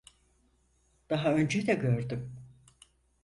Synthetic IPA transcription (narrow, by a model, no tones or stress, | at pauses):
d̪̥aɦaø̞nd͡ʒɛd̪ɛɟø̞ɾd̪ym